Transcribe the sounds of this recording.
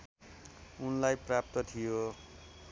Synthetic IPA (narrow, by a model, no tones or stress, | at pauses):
unlajprap̚t̪ʌt̪ʰijo